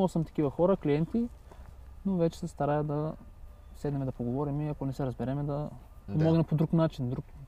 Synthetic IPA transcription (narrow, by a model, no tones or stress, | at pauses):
lˠsəmt̪ɐ̥k̟ivɐxɔɾəkliɛnt̪i | novɛt͡ʃɛ̥sɛst̪ɐɾajɐd̪ɐ | sɛd̪nɛmɛd̪ɐpoɡovɔɾimiɐkonɛsɛɾɐzbɛɾɛmɛd̪ɐ | pomɔɡnɛmpod̪ɾuknat͡ʃind̪ɾuk